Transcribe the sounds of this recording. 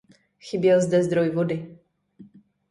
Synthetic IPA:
xibʲjɛzd̪ɛzd̪ɾɔjvɔd̪ɪ

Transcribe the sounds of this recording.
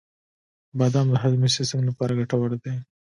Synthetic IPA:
bɑd̪ɑmd̪əɦad̪miʃesəŋɡlapɑɾaɡaʈawaɾd̪e

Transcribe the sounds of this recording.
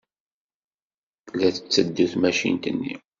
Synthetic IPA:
læθət͡sːəd̪ːuθmæʃḭnt̪ənːḭ

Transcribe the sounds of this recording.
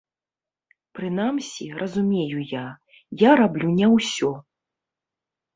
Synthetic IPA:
pɾɨnamsʲirʔɐzumʲejuja | jaɾablʲunʲɛwsʲɔ

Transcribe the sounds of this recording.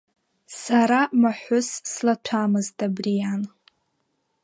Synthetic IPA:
saɾamaħʷʊsːlatʷʰamɨztʼabrijan

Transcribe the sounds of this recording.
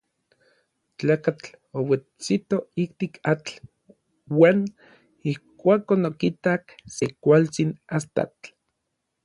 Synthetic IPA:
t͡ɬaːkat͡ɬowet͡sit̪oik̚t̪ikʰat͡ɬ | waːn | ihkʷaːkonokit̪aksekʷalt͡sinast̪a̰t͡ɬ

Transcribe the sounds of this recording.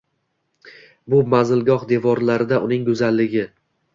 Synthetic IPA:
bʊmazɪlɡɒhd̪e̞vɒɾlaɾɪd̪aʔʊnɪŋɡɵzalːɪɡʲɪ

